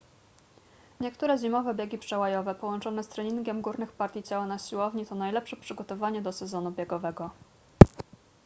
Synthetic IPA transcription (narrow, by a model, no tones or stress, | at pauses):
ɲɛk̚t̪uɾɛʑimɔvɛbʲjeɡʲipʂɛwajɔvɛpɔwɔnt͡ʂɔn̪ɛst̪ɾɛɲiŋɡʲɛmɡuɾnɘxpaɾt̪ʲjit͡ɕawanaɕiwɔvɲit̪ɔnajlɛpʂɛpʂɘɡɔt̪ɔvaɲɛd̪ɔsɛzɔnubʲjeɡɔvɛɡɔ